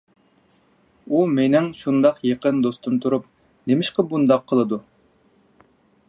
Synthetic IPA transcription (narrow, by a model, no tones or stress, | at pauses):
umenɪŋʃund̪ɑqjeqənd̪ost̪unt̪ʰuɾup̚ | nemɪʃqɑbund̪ɑqʰːəlˠɨd̪u